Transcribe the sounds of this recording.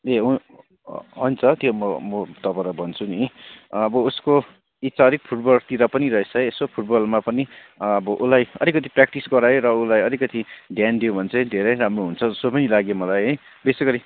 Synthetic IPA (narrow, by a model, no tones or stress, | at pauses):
eɦu | ɦʌnt͡sʰʌt̪jomʌmʌt̪ʌpaɾʌbʱʌnt͡sʰuniʌbʌusko | it͡saɾik̚pʰuʈ̚bʌlt̪iɾʌpʌniɾʌɦet͡sʰʌːsopʰuʈbʌlmapʌni | ʌbʌʔulajʌɾikʌt̪̬iprak̚ʈisɡʌɾajoɾʌulajʌɾikʌt̪iɖʱjand̪iobʱʌnt͡sʰʌ̃jd̪ʱeɾʌjɾamroɦunt͡sʰʌʌsopʌnilaɡjomʌlajɦʌj | besʌkʌɾi